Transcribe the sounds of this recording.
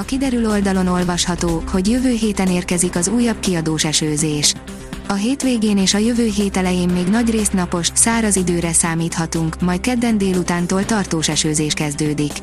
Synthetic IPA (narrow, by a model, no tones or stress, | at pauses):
ɒkid̪ɛɾylo̞ld̪ɒlo̞no̞lvɒʃhɒt̪oːho̞ɟjøvøːɦeːt̪ɛneːrkɛzikɒzuːjːɒb̚kiɒd̪oːʃɛʃøːzeːʃ | ɒɦeːt̪ʋeːɡeːneːʃɒjøvøːɦeːt̪ɛlɛjeːmːeːɡnɒɟreːsnɒpo̞ʃsaːɾɒzid̪øːɾɛsaːmiːt̪hɒt̪uŋkmɒjt̪̚kɛd̪ːɛnd̪eːlut̪aːnt̪oːlt̪ɒrt̪oːʃɛʃøːzeːʃkɛzd̪øːd̪ik